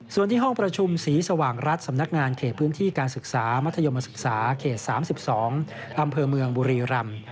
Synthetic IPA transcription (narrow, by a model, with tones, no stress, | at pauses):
su˨˩ənt̪ʰiː˥˩ɦɔ˥˩ŋpɾa˧t͡ɕʰu˧msiː˩˦sa˧waː˨˩ŋɾa˦˥t̪̚sa˩˦mna˦˥k̚ŋaː˧nkʰeː˨˩t̪̚pʰɯː˦˥nt̪ʰiː˥˩kaː˧nsɯ˨˩k̚saː˩˦ma˦˥t̪ʰːjo˧ma˧sɯ˨˩k̚saː˩˦kʰeː˨˩t̪̚saː˩˦msi˨˩p̚sɔː˩˦ŋ | ʔa˧mpʰɤː˧mɯ˧əŋbuː˧ɾiː˧ɾa˧m